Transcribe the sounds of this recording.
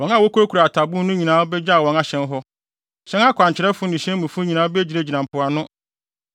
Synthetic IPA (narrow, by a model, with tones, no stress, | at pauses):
wɔ̃˦na˦˨wo˦kʰu˦ɾo˦kʰu˨ɾa˨tʰa˨bũ˦nʊ̃˦ɲĩ˨nãː˨˦bɛ˦d͡ʑa˦˨wɔ̃˦na˨ɕɛ̃˦nɦɔ˦ | ɕɛ̃˦na˦kʰʷã˨ɲ˨t͡ɕʰɪ˨ɾɛ˦fʊ˦nĩ˨ɕɛ̃˦mũ˨fʊ˦ɲĩ˨nãː˨˦be˦d͡ʑi˨ɾe˦d͡ʑi˨nã˨m˨pʰʊ˨a˨nʊ̃˦